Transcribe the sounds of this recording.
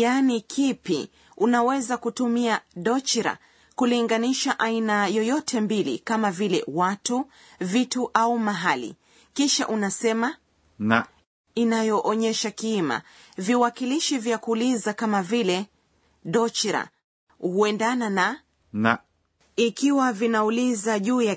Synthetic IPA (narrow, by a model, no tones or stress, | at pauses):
janikʰipḭ | unawɛzakutumiaɗɔt͡ʃiɾa̰ | kuliŋɡaniʃaʔainajɔjɔtʰɛmbilḭkamavilɛ̰watu | vituʔaumaɦalḭ | kiʃa̰ʔunasɛma | na | inajɔʔɔɲɛʃakima̰viwakiliʃivjakuːlizakamavilɛ | ɗɔt͡ʃiɾa̰ | huɛndanana | na | ikiwavinaulizaʄuːja